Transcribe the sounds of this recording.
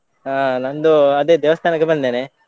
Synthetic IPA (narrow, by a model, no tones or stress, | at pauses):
aːnand̪uɐd̪eːd̪eːʋɐst̪ʰaːnɐkːebɐnd̪id̪eːne